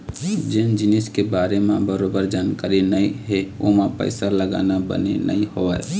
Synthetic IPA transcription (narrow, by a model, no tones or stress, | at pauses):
d͡ʒɪnd͡ʒɪnɪskebaːɾemãbəɾoːbəɾd͡ʒaːnkaːɾinɐĩɦɛo̰mãpə̰ɪsaləɡa̰ːnabə̰nḛnɐ̰ĩhoaɛ̰